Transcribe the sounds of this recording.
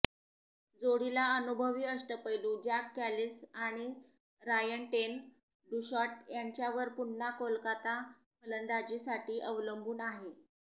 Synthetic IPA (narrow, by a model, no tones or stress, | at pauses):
d͡zoɽilaənubʱəʋiːəʂʈəpəjlũd͡ʑakːælisaɽ̃i | ɾajəɳʈen | ɖuɕɔʈjaɲt͡ɕjaʋəɾpunːakolkat̪a | mələnd̪ad͡ʑisaʈʰiːʔəʋləmbʱuːnaɦe